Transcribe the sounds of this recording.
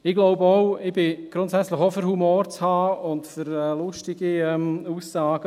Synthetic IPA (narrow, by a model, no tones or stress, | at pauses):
ɪɡ̥loʊbəɔʊɪbɪɡ̥ɾʊntsɛt͡sləxofʏɾhumoːɾt͡shaːʊntfʏɾɛːlʊʃtɪɡ̥iɛmusːaːɡ̥ə